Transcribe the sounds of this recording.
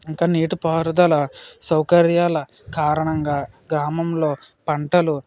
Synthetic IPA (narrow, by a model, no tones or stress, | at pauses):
iŋkaːniːʈupɐːɾd̪ɐlɐsɐwkɐɾjaːlɐ | kaːɾɐɳɐŋɡaː | ɡɾaːmɐmlo̞ː | pɐɳʈɐlu